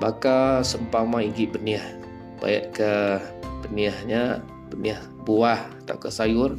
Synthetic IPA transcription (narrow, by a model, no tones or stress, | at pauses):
bakasəmpamãiɡiʔbəniəh | b̥a̰jə̰ʔkəb̥əniəhɲa | bəniəh | buah | t̪a̰wkəsajʊr